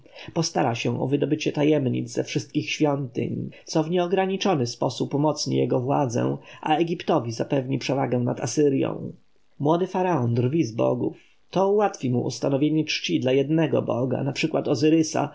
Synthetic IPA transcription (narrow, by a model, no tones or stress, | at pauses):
pɔst̪aɾaɕɛ̃ʔɔ̰vɘd̪ɔbɘt͡ɕɛt̪ajɛmɲḭd̪zzɛfʂɘst̪̚kʲixɕfʲjɔnt̪ɘ̰ɲsɔvɲɛɔɡɾaɲit͡ʂɔnɘspɔsupːɔmɔt̪sɲḭjɛɡɔvwa̰d̪zɛ̰̃ʔa̰ɛɡʲipt̪ɔvʲizapɛvɲipʂɛvaɡɛ̃nat̪asɘɾʲjɔ̰̃w̃ | mwɔd̪ɘfaɾaɔnd̪rvʲizbɔ̰ɡṵf | t̪ɔuwat̪fʲimuʔṵst̪anɔvʲjeɲɛt͡ʂt͡ɕid̪lajɛd̪nɛɡɔ̰bɔɡa̰napʂɘkwat̪ɔzɘɾɘsa̰